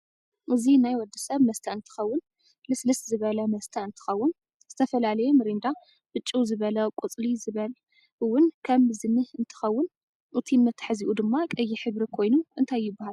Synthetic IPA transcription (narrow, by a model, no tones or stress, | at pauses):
ʔɨzinajwɔd̪ːɐsɐβmɐst̪ʰɐɨnt̪ʰɨ̥xɐwːʊn | lɨslɨszɨβɐlɐmɐst̪ʰɐɨnt̪ʰɨ̥xɐwːʊn | z̥ɨt̪ʰɐfɐlalɐjemɨɾind̪a | b̥ɨt͡ʃʼːuzɨβɐlɐkʼʊt͡sʼlizɨβɐl | ɨwːʊnkʰɐmzɨnɨhɨnt̪ʰɨ̥xɐwːʊn | ʔut̪ʰinːɐt̪ʰħɨziʔud̪ɨmːakʼɐjːiħɨβɾikʰo̞jnuʔɨnt̪ʰajːɪbːahal